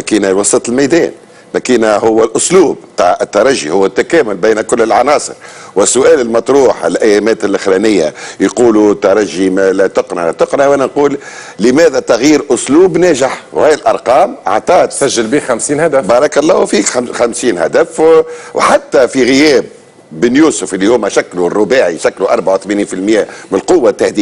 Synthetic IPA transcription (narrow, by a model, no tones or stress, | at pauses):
mækiːnæwɑsˤiːt̪ˤɪlmajd̪ɛ̰ːn | mækiːnæhʊwːælʔʊsluːb̚t̪ˤɑːʕɪt̪ːɑɾˤɑʒːḭhʊwːæt̪ːækæːmʊlbiːnkʊlːɪlʕɑnɑːsˤə̰ɾwɪsːʊʔæːlɪlmɑt̪ˤɾuːħɪlʔæjːæmæːt̪ɪlʔɪxɾænɪjːa̰jquːlut̪ːɑɾˤɑʒːimælt̪ʊqnɑ̰t̪ʊqnawʔæːnænquːlːɪmæːðæt̪ɑɣjiːɾʔʊsluːbnæːʒɪħwhæːjɪlʔɑɾˤqɑːmʔɑ̰ʕt̪ˤɑːt̪sæʒːɪlbiːxamsiːnhæd̪əfbɑːɾˤɑkælˤːɑːfiːkxamsiːnhæd̪æfwħat̪ːæfiɣɪjɛːb̚ː | ɪnjuːsʊfʔɪlːihʊmːæʃækːlurˤːʊbaːʕiʃækːluʔɑɾˤbaʕawθmaniːnfilmjæːmnɪlqʊwːat̪ːaħd̪iː